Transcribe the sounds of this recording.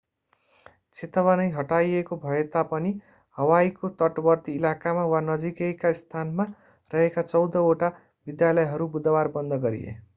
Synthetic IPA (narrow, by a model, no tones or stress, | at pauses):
t͡sʰet̪ʌβʌnʌjɦʌʈajekobʱʌet̪apʌni | hʌwajkot̪ʌʈbʌrt̪iːlakamawanʌd͡zikekaist̪ʰanma | rʌɦekat͡sʌwd̪ʌoʈa | bid̪jalʌjɦʌɾubud̪ʌbarbʌnd̪ʱʌɡʌɾḭḛ